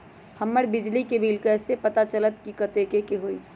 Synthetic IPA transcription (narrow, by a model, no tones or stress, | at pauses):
hɐmːəɾbɪd͡ʒlikebʱiːlkəsepɐt̪at͡ʃələt̪kikət̪ekekeɦoːḭː